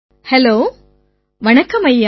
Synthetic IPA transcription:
hɛloː | ʋɐnɐkːɐmɐjːa

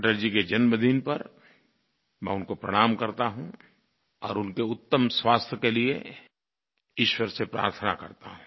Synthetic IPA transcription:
ʈəɾd͡ʒiked͡ʒɐnbəd̪ʱiːnpɐɾ | mɛ̰̃ːʊnkopɾəɽ̃aːmkɐɾt̪aɦũ | ɔːɾʊnkeʊt̪ːəmswaːst̪ʰjəkelie | ɪʃwəɾsepɾa̰ːɾt̪ʰənakɐ̰ɾt̪a̰ɦũ

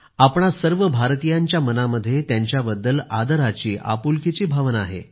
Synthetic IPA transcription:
apɳ̃asəɾʋəbʱaɾt̪ijaɲt͡ɕjamənaməd̪ʱːjet̪jaɲt͡ɕjabəd̪ːəla̰d̪əɾat͡ɕiːʔa̰pulkit͡ɕiːbʱaʋnaaɦḛ

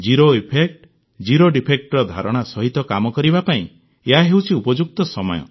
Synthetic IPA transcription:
d͡ʒiɾoipʰek̚ʈ | d͡ʒiɾoɖipʰek̚ʈɾɔd̪ʱa̰ɾɔɽ̃asɔɦit̪ɔkamɔkɔɾibapaĩ | eɦaɦewt͡ʃʰiupɔd͡ʒuk̚t̪ɔsɔmɔ̰jɔ̰

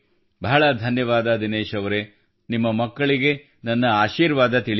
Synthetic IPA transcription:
bʱɐɦɐɭɐd̪ʱɐnjɐʋaːd̪ɐd̪ineːʃɐʋɐɾe | nimːɐmɐkːɐɭiɡe̞ | nɐnːɐaːʃiːɾʋaːd̪ɐt̪iɭ

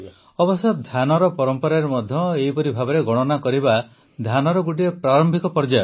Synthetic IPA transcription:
ɔbɔsɔt̪̚d̪ʱjanɔɾɔpɔɾɔmpɔɾaɾemɔd̪ʱjɔeipɔɾibʱabɔɾeɡɔɽ̃ɔnakɔɾiba | d̪ʱanɔɾɔɡuʈ̬iɾepɾaɾɔmbʱikɔpɔɾd͡ʒa

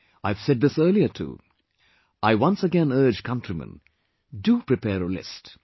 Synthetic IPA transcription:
aɪv̥sɛd̪̚ðɪsɜ˞liətʰṵ | ʔaɪwʌ̃nsəɡɛ̃nɜ˞d͡ʒkʰʌ̃ntʰɹimə̰̃n | dupɹɨpʰɛːɾəlɪ̰st

